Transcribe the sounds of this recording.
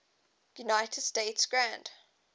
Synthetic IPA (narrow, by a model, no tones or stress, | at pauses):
junaɪtʰəd̥steɪtsɡ̥ɹãnd̥